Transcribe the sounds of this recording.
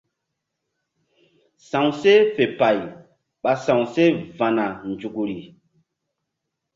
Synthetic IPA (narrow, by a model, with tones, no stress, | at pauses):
sã˨wse˦fe˨pa˨j | ɓa˨sã˨wse˦va˨na˨nd͡ʒu˨ɡu˨ɾi˨